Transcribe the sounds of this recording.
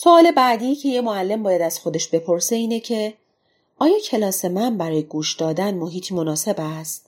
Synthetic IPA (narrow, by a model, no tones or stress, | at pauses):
soɒːle̞bæd̪iːjicʰe̞je̞moælːe̞mbɒːjæd̪æz̥xo̞d̪e̞ʃbe̞pʰo̞ɾse̞iːne̞cʰe̞ | ɒːjɒːcʰe̞lɒːse̞mænbæɾɒːje̞ɡuːʃd̪ɒːd̪ænmoɦiːt̪ʰiːmonɒːse̞bæst̪̚